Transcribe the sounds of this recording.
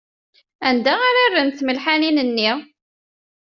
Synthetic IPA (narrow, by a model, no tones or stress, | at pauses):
ænd̪æaɾarːənθməlħaninənːi